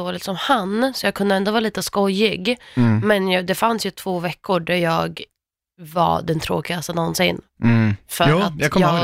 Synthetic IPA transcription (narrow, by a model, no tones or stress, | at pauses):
oːlɪt̪sɔmhansɔjɑːɡkʰɵnd̪əɛnd̪oːvɑːɾliːt̪əskɔjːɪɡmɛnjɑd̪ɛfansjɵt̪ʰv̥oːvɛkːʊɖæɾjɑːɡ | va̰d̪ɛnt̪ʰɾo̰ːkɪɡast̪ənɔnsɪnfœɾat̪ːkː